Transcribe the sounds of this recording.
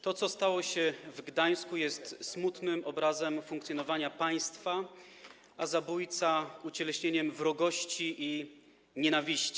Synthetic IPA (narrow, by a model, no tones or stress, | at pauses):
t̪ɔt̪sɔst̪awɔɕɛvɡd̪aj̃skujɛst̪smut̪nɘmɔbɾazɛmfuŋkt̪sʲjɔnɔvaɲapaj̃st̪fa | ʔazabujt̪saut͡ɕɛlɛɕɲeɲɛmvɾɔɡɔɕt͡ɕiʔi | ɲɛnavʲiɕt͡ɕi̥